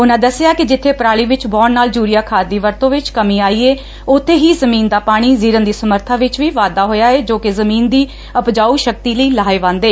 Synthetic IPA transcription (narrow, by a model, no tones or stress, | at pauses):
ʊnãːd̪əsɪaːkɪd͡ʒɪt̪ʰːeːpɾaːɭiːʋɪt͡ʃbɔːnːaːld͡ʒuːɾijaːkʰaːd̪iːʋəɾt̪õːʋɪt͡ʃkəmĩːaːiːeː | ʊt̪ʰːeːɦiːzəmĩːnd̪aːpaːɽ̃iːziːɾənd̪iːsəməɾt̪ʰãːʋɪt͡ʃʋiːʋaːd̪aːɦoːjaːeːd͡ʒoːkezəmiːnd̪iː | əpd͡ʒaːuːʃək̚t̪iːləiːlaːeːʋãːnd̪eː